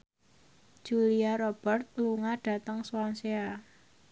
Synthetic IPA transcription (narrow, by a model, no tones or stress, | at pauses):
d̥ʒ̥uliaɾob̥ərt̪̚luŋaɖ̥a̤t̪əŋswansea